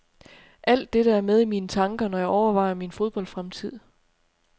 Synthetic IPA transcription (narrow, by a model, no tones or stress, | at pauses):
ʔæl̰d̥ːe̝ɾ̥ɑæɐmeð̞ˠimiːnət͡sʰɑ̈ŋɡ̥ɐnɒ̽jɑ̈ɪɒʊɐʋɑ̈ɪ̰ɐminfo̝ð̞ˠb̥ɒ̽l̰d̥fʁamt͡sʰið̞̰ˠ